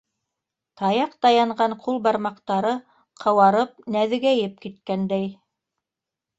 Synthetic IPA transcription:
t̪ɑjɑqt̪ɑjɑɴɢɑɴqʰulˠbɑɾmɑqt̪ɑɾɤ | qʰɤ̆wɑɾɤp̚næðɘ̆ɡæjɘp̚kit̪kænd̪æj

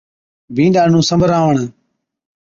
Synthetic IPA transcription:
bĩːnɗaːnũːsəmbʱəɾaːʋəɳ

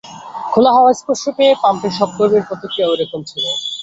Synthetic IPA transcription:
kʰolaɦɔwaespoɾʃopeepampeɾʃɔb̚koɾbeɾpɔt̪ʰokiowɾekomt͡ɕʰilo

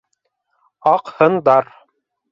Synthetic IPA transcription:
ɑqhɤ̆nd̪ɑɾ

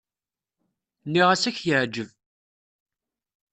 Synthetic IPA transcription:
nːiʁæsæçjəʕd͡ʒəv

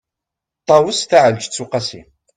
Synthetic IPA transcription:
t̪ˤːɑwəsθaʕəld͡ʒt͡sːuqɑsḭ

